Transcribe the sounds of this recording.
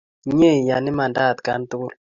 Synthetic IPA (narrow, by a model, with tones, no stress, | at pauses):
ɲe˦˨ja˨nɪ˦ma˨nda˦˨t̪ka˨˦n˦t̪u˦l